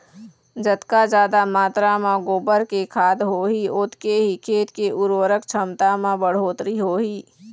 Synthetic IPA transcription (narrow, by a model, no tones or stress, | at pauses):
d͡ʒət̪kad͡ʒaːd̪amaːt̪ɾamãɡoːbəɾkekʰaːd̪ɦoːɦiʊt̪keɦikʰeːt̪keʔʊɾwəɾəkt͡ʃʰəmt̪amãbəɽ̤oːt̪ɾiɦoːɦiː